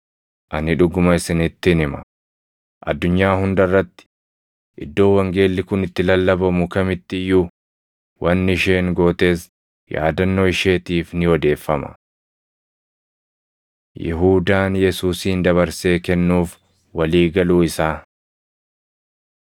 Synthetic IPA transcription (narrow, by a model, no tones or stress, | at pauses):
ʔɐnɪᶑʊɡʊmɐɪsɪnɪt̪ːɪnɪmɐ̰ | ʔɐ̰d̪ːʊɲːaːhʊnd̪ɐrːɐt̪ːɪ̥ | ʔɪd̪ːo̞ːwɐŋɡe̞ːlːɪkʊnɪt̪ːɪlɐlːɐbɐmʊkɐmɪt̪ːɪjːʊ | wʔɐnːɪʃe̞ːŋɡo̞ːt̪e̞ːs | ja̰ːd̪ɐnːoɪʃe̞ːt̪iːfnɪɔd̪e̞ːfːɐmɐ̰ | jɛ̰ɦuːd̪aːnjɛsuːsiːnd̪ɐβɐɾse̞ːkɛnːuːf | wɐliːɡɐluːɪsaː